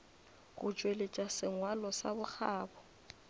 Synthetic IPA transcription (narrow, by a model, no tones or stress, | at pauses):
ɣʊ̰t͡ʃʼwelet͡ʃʼasɪŋwalɔsa̰bʊk͡xʰaːbɔ